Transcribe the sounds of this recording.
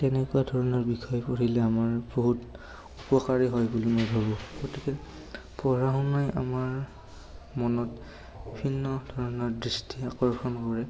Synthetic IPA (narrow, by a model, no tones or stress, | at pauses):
tɛnɛkʊwadʱɔɹɔnɔɹbixʰɔjpoɹilɛamaɹboɦut | upɔkaɹiɦɔjbulimojbʱabɔ̃ɡ̥otikɛ | pɔɹaɦunajʔa̰maɹ | mɔnɔt | bibʱinːɔdʱɔɹɔnɔɹdɹistʰiakɔɹkʰɔnkɔɹɛ